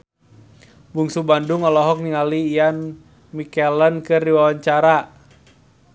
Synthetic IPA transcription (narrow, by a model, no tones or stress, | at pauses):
buŋsubandʊŋɔlɔɦɔk̚niŋaliːjan | mikɛlənkɨrdiwawaɲt͡ʃaɾa